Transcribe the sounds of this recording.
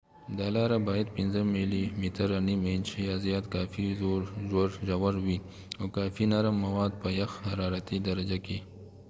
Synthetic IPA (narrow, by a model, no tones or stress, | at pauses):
d̪aːlaːɾabaːjɐd̪pɪnzəmilimit̪əɾaniment͡ʃijazijɑːt̪kaːfizoɾzoɾʒawaɾwi | okaːfinaɾəmːɐwaːd̪̚pəjɐxhaɾaːɾat̪id̪ɐɾɐd͡ʒaki